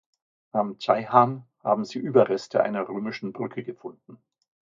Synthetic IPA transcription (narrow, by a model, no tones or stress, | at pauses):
ʔamtʰaɪhaːnha̰ːbm̩ziːʔyːbɐʁɛstʰəʔa̰ɪnɐʁøːmɪʃn̩bʁʏkʰəɡəfʊndn̩